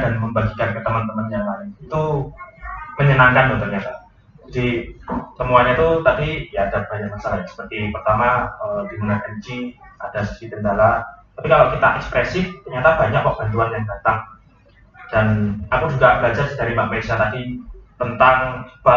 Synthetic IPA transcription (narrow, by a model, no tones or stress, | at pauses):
danməmbaɡikankət̪əmənt̪əmənjaŋlaɪnit̪u | məɲənaŋkant̪ut̪ərɲat̪a | d͡ʒadisəmuaɲat̪ut̪adijaːdab̥aɲak̚masalajaŋsə̥pərt̪ipərt̪amaədimunaʔənt͡ʃiadasəsit̪əndalat̪apikalakit̪a̰ʔɛkspɾɛsɪft̪ərɲat̪ab̥aɲak̚pəb̥ant̪uanjaŋdat̪aŋ | d̥anakud͡ʒuɡabəlad͡ʒasdaɾimak̚mesat̪adit̪ənt̪aŋb̥a